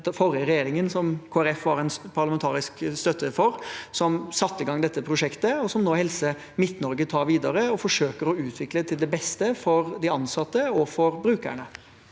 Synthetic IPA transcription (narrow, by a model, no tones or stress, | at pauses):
fɔɾəɾɛjeːɾɪŋənsɔmkʰoːæɾɛfʋɑɾɛnpʰɑɾlɑmɛnt̪ʰɑːɾɪskst̪œt̪ʰːəfɔɾsɔmsɑt̪ːəɪɡɑŋd̪ɛt̪ːəpʰɾʊʂɛkt̪əɔsɔmnoːhɛlsə | mɪt̪nɔɾɡət̪ʰɑːɾʋiːd̪ɑɾəɔfɔʂøːkəɾɔʉːt̪ʰʋɪklət̪ʰɪld̪ɛbɛst̪əfɔɾd̪ɪɑnsɑt̪ːəɔfɔɾbɾʉːkə̰ɳə